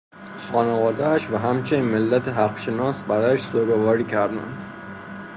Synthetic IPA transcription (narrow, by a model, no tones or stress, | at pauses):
xɒːnevɒːd̪ææʃvæɦæmt͡ʃʰeniːnmelːæt̪ʰeɦæqʃe̞nɒːsbæɾɒːjæʃsoɾɡovɒːɾiːcʰæɾd̪æ̰nd̪̥